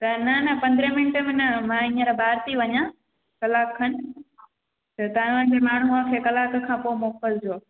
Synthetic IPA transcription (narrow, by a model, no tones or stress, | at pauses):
t̪ɐnɐnɐpɐ̃nd̪ɾəmɪnʈəmẽnɐmãːĩːə̃ɾabʱaːɾt̪iʋɐɲã | kɐlaːkʰːɐnɪ̆ | t̪ɐt̪aːnʋənɪ̆d͡ʑemaːɳ̤ɦuãkʰekɐlaːkkʰãːpoːmoːpəld͡ʑoː